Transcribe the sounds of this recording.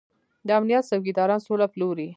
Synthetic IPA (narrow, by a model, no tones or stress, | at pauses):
d̪əamnijɑt̪sawɡid̪ɑɾɑnsolaploɾi